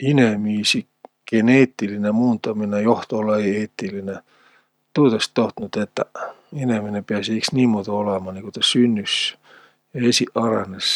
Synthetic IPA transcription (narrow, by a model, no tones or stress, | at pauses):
inemiːsi | ɡ̥eneːt̪ːilinemuːnt̪ɑminæjoht̪oolːɑeieːt̪ːiline | t̪uːt̪ɑst̪ːoht̪nut̪et̪ːæ̰ | ineminepiæsiiksniːmmuːt̪ɑolemɑːniːkot̪ɑsynːys | jɑesiʔɑrḛnes